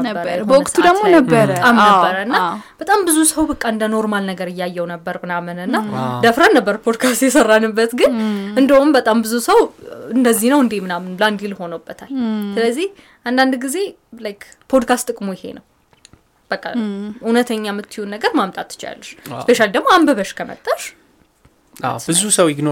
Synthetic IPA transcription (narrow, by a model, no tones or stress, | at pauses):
əəɾbəwʊkʼt̪ʰud̪əmonəbːəɾtʼamnəbːəɾəɨnːab̥ət̪ʼambɨzusəwbəkʼːaɨnd̪əno̞ɾmalnəɡəɾɨjːajːɛwnəbːəɾmɨnamɨnɨnːad̪əfɾənːəbːəɾpʰod̪kʰast̪jɛsərːanːɨbːət̪ɡɨnɨnd̪əumbət̪ʼambɨzusəwɨnd̪əzːihnəwɨnd̪emɨnamnland̪ilho̞nəbːət̪ʰalsɨləzːih | ʔand̪and̪ɡize̞lajk | pʰo̞d̪kʰast̪ːʼɨkʼmojɪhe̞̰nəw | b̥əkʼːa̰ʔunət̪ʰəɲːamːɨt̪ʰːijunːəɡəɾmamt̪ʼat̪ːɨ̥t͡ʃɪa̰lːəʃspeʃalid̪əɡmoambəβəʃkʰəmə̰t̪ʼːəʃ | a̰bɨzusəwjɪɡno